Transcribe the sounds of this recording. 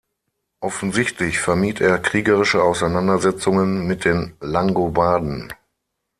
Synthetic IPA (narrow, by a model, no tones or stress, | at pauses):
ʔɔfn̩zɪçtʰlɪçfɛɐmiːteːɐkʁ̥iːɡəʁɪʃəaʊsaɪnandɐzɛt͡sʊŋənmɪt̚d̥eːnlaŋɡobaːdn̩